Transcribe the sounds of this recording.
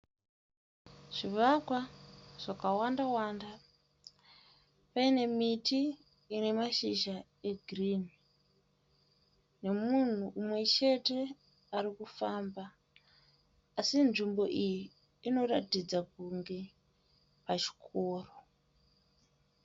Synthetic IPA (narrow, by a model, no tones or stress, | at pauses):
ʐ̥iʋakwaʐ̥akawandawaːnda | paine̞mitʰi | ine̞maʃiʃa | eɡʱriːni | ne̞mun̤uʔːmwe̞t͡ʃe̞te̞ | aɾikufamba | sinʐimbo̞ʔijiː | no̞ratid͡zak̚uŋɡe | pat͡ʃi̥kʰo̞ːro